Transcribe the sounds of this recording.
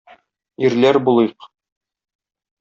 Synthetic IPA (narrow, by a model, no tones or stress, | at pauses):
iɾlæɾbulˠɤjq